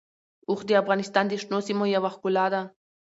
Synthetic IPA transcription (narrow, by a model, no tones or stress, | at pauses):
uχd̪iafɣanist̪and̪iʃnosimojaβaχkulad̪a